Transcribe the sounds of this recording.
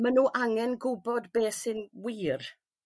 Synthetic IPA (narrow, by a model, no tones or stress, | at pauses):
manuːʔaŋɛnɡʊbɔdbeːsɨnwiːr